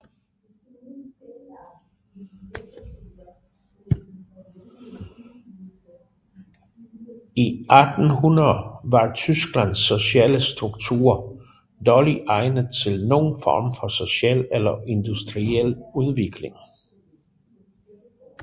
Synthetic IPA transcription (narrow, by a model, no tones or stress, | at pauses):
iʔæd̥n̩hunɐðˠʋɑ̈t͡sʰysɡ̥lænsːo̝ɕɛːləsd̥ʁuɡ̥t͡sʰṵːɐ | d̥ɒːliʔɑ̈ɪnəðˠt͡sʰe̝lno̝̰ːn̩fɒ̰ːmfɒ̽so̝ɕɛl̰elɐʔe̝nd̥usd̥ʁiel̰uð̞ˠʋe̝ɡ̥le̝ŋ